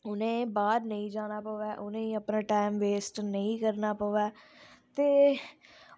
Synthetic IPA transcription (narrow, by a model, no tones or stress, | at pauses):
ʊnẽːbaːɾnəĩːd͡ʒaːnaːpəʋɛːʔʊnẽːiəpnãːʈaːɪmʋeːsʈnəĩːkəɾnaːpəʋɛːt̪eː